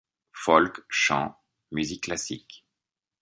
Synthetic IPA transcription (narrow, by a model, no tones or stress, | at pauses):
fɔlkʃɑ̰̃ | myzikːlasik